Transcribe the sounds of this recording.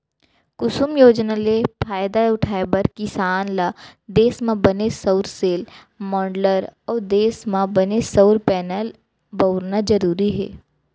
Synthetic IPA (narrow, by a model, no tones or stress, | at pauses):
kʊsʊmjoːd͡ʒnalepʰaːjd̪aʊʈʰaːebɐɾkɪsaːnlad̪eːsmãbɐnesəʊɾseːl | mɔ̃ːɳɖləɾɔːɾd̪eːsmãbɐnesəʊɾpɛːnəl | bɐʊɾnad͡ʒɐɾuːɾiɦɛ̰ː